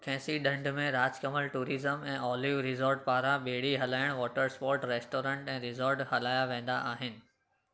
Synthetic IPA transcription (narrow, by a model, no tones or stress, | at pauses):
kʰɛ̃ːsiɗɐ̃ɳɖmẽɾaːd͡ʑkəməlʈuːɾiːzəmɛ̃ːʔɔːliʋɾɪzoːɾʈ̚paːɾãɓeːɽ̤iɦɐlaːɪəɽ̃ʋɔːʈəɾspɔːɾʈɾeːsʈoːɾẽɳʈɛ̃ːɾɪzoːɾʈhɐlaːjaʋẽːn̆d̪aʔaːɦɪnɪ̆